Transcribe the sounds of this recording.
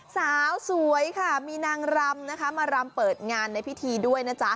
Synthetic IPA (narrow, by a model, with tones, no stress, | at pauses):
saː˨˩˦wsu˨˩˦əjkʰa˥˩miː˧naː˧ŋɾa˧mna˦˥kʰa˦˥maː˧ɾa˧mpɤː˨˩t̪̚ŋaː˧nːa˧jpʰi˦˥t̪ʰiː˧du˥˩əjna˦˥t͡ɕa˦˥